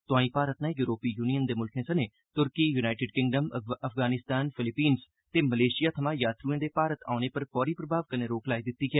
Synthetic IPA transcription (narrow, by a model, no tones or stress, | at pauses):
t̪ʊãːĩːpaːɾət̪nãːjuːɾoːpiːjuːnijənd̪eːmʊlkʰẽːsəneː | t̪ʊɾkiːjuːnaːɪʈɪːɖkɪ̃ŋɡɖəməfʰɡaːnɪst̪aːnpʰɪlɪpiːns | t̪eːməleːʃɪjaːt̪ʰəmãːjaːt̪ɾuːẽːd̪eːpaːɾət̪a̰ːʊneːpəɾfɔːɾiːpɾəbʱaːʋkənẽːɾoːklaːid̪ɪt̪ːiːɡɛː